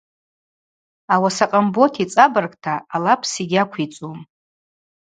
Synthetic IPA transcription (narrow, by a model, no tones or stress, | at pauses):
awasaqʼambo̞tʰit͡sʼabarkʼtʰaːlapʰsiɡʲakʷʰit͡sʼum